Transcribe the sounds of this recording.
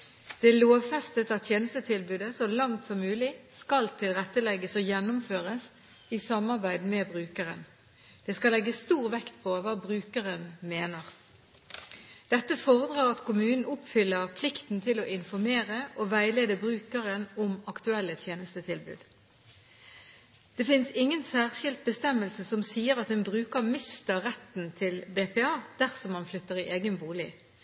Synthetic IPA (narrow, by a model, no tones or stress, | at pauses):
d̪̥ɛloːʋfɛst̪ət̪ɑt̪t̪ʰjeːnəst̪ət̪ʰɪlbʉːd̪əsɔlɑŋt̪sɔmːʉːlɪskɑlt̪ʰɪlʁɛt̪ːəlɛɡəsoːjɛnːʊmføːʁəs | isɑmɑʁbæɪd̪mɛbʁʉːkəʁə̰n | d̪̥ɛːskɑlɛɡːəsst̪uːʁʋɛkt̪̚pʰoʋɑːbʁʉːkəʁənmeːnəʁ | d̪̥ɛt̪ːəfoːʁəd̪ʁɑːʁɑt̪kʊmʉːnn̩ʊpfʏlːəʁpʰlɪkt̪n̩t̪ʰɪloːʔɪnfɔʁmeːʁəʔoːʋæɪleːd̪əbʁʉːkəʁənɔmɑkt̪ʉɛlːət̪ʰjeːnəst̪ət̪ʰɪlbʉ̰ːd̪ | d̪̥ɛfɪnsɪŋːənsæːʁʃɪlt̪̚bəst̪ɛmːəlsəsɔmsiːəʁɑt̪̚d̪ɛnbʁʉːkəʁmɪst̪əʁɛt̪n̩t̪ʰɪlbeːpɛːɑːd̪̥æʁsɔmːɑnflʏt̪ːəʁiʔeːɡənbuːlɪ